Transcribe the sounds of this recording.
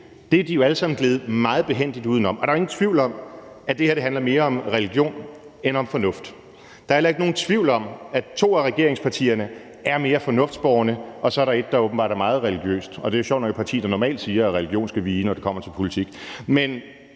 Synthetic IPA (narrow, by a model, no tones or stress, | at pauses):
d̥e̝æd̥ijo̝æləsɑ̈mn̩ɡ̥leːð̞̩ˠmɑ̈ːð̞̩ˠb̥e̝ɦen̰d̥id̥uðˠn̩ɒ̽mɒdɑ̈ɐe̝ŋn̩t͡sʰʋiʊ̰lɒ̽m | æd̥e̝heɐde̝ɦænlɐme̝ːɐɒ̽mʁɛliɡ̥jo̝̰ːnenɒ̽mfɒ̽nɔ̽fd̥ | d̥ɑ̈æelɐe̝ɡ̥no̝ːn̩t͡sʰʋiʊ̰lɒ̽mæt͡sʰo̝̰ːæʁɛɡ̥e̝ɐ̰eŋspʰɑ̈t͡sʰḭːɐnə | æɐme̝ːɐfɒ̽nɔ̽fd̥sb̥ɒːnəɒ̽sɒ̽æɐɾɑ̈e̝d̥ːɑ̈oːb̥m̩bɑ̰̈ːɾ̥æmɑ̈ːð̞̩ˠʁɛliɡ̥jø̰ːsd̥ɒ̽d̥e̝æɕɒʊ̰nɒjopʰɑ̈t͡sʰḭːd̥ɑnɒmɛ̰ːld̥siːɐɒʁɛliɡ̥jo̝̰ːnsɡ̥æʋiːnɒd̥e̝kʰɒ̽m̰ɐt͡sʰe̝lpʰo̝lit͡sʰiɡ̥men